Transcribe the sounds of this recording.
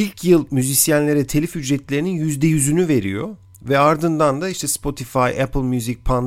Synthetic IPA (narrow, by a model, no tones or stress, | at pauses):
ilʲcʰjɯlˠmyzisjænlʲe̞ɾɛt̪ʰelʲifhyd͡ʒɾɛt̪lʲe̞ɾininjyzd̪ɛjyzynyve̞ɾḭjo̰ | vɛaɾd̪ɯnd̪and̪aiʃt̪ʰɛspʰo̞t̪ʰifajɛplˠmjyzic̚pʰan